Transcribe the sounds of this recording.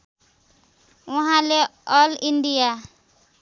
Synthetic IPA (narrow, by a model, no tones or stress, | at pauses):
uɦãleʌliɳɖija